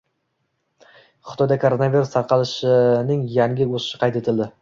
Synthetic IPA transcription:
χɪ̥t̪ʰɒjd̪akʰoɾonaviɾust̪ʰɑɾqʰɑlˠɪʃɪnɪŋjaŋɡʲɪosɪ̥ʃɪ̥qʰɑjt̪et̪ʰɪld̪ɪ

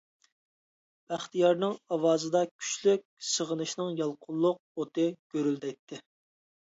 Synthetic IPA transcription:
b̥æχt̪ijɑɾnɨŋɑwɑːzɨd̪ɑkʲʰy̥t͡ʃlyk̚ʲsəʁənɨʃnɨŋjɑlˠqʰʊlˠːʊq̚ot̪ɨɡ̥ʲøɾyld̪ɛt̪ʰːɪ

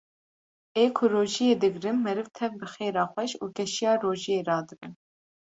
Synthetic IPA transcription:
eːkʰʊɾoːʒijeːd̪ɨɡɾɨnmɛɾɨvt̪ʰɛvbɨxeːɾɑːxʷɛʃuːkɛʃijɑːɾoːʒijeːɾɑːd̪ɨbɨn

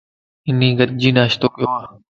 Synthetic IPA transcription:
ɪnĩːɡət̪̚d͡ʒiːnaːʃt̪oːkɪjoːaː

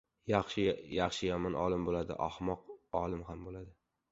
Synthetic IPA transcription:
jaχʃɪjaχʃɪjamɪnʔɒlˠɪmbolad̪ɪ̰ʔɒ̰hmɒqɒlˠɪmhambolad̪ɪ

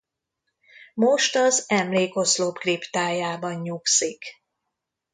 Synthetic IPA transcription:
mo̞ʃt̪ɒzɛmleːko̞slopkript̪aːjaːbɒɲɲuksik

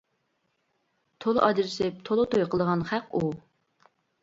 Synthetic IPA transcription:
t̪ʰol̰ˠʔɑd͡ʒɪɾɪʃɪp̚t̪ʰolˠɨt̪ʰojqʰəlˠəʁɑnχæqu

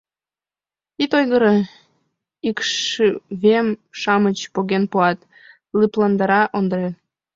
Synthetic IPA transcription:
it̪ojɣəɾɤ | ikʃβemʃɑmət͡ɕpoɣenpuɑt̪ | lɯplɑnd̪ɑɾɑʔond̪ɾe

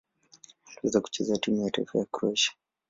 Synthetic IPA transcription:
tuɛzaku̥t͡ʃɛzatimujataifajakɾuɛʃḁ

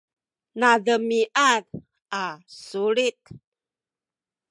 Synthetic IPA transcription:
nadəmiʔað | asuɾit̪̚

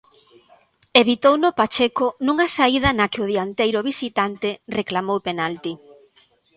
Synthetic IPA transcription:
eβit̪ownʊpat͡ʃekʊnũŋasaið̞ɐnakɪʊð̞iant̪ejɾʊβisit̪ant̪ereklamowpenalt̪i

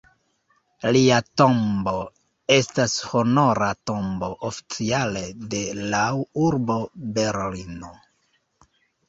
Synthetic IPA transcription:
liato̞mbo̞ | e̞stasho̞no̞ɾato̞mbo̞ʔofi̥t͡siale̞de̞lawuɾbo̞be̞ɾlino

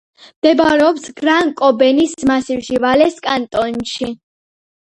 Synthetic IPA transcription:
md̪̥ɛbaɾɛɔpsɡɾaŋkʼɔbɛnismasivʃivalɛskʼant̪ʼɔnʃi

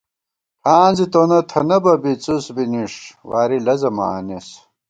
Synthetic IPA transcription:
aːnzit̪oːnɐt̪ʰɐnɐbɐbit͡susbiniʂwaːɾilɐzɐmɐ̰a̰nis

